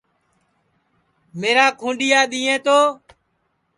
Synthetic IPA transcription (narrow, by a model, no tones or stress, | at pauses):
meːɾaːkʰũːɖijaːɗ̪iːẽːt̪oː